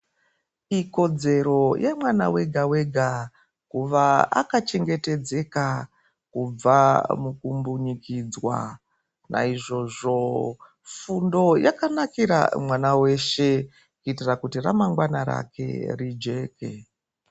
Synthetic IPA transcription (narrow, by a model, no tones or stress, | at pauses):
iko̞d͡ze̞ɾo̞jʔemwana̰we̞ɡʱawe̞ɡʱa | kuʋaa̰kat͡ʃe̞ŋɡe̞te̞d͡ze̞ka | kub͡vamukumbuɲikid͡zwa̰ | nʔa̰iʐo̞ʐo̞ | fundo̞jakanakiɾa̰mwanawe̞ʃe̞ | kuitirakutiramaŋɡwanaɾa̰ke̞̰rid͡ʒe̞ːkḛ